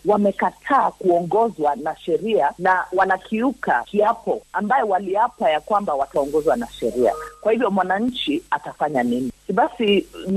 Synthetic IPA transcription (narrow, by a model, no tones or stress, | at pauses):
wamɛkatʰaːkuɔŋɡɔzwanaʃɛɾianawanakʰiuka̰kiapɔambajɔwaliapajakwambawataɔŋɡɔzwanaʃɛɾia̰kwahivjɔmwanaɲ̩t͡ʃiatafaɲaniniɓasi